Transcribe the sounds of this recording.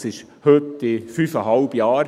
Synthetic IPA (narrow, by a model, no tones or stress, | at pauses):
sɪʃ | høt̪ːɪfyːfəɦɑlb̥jaːɾ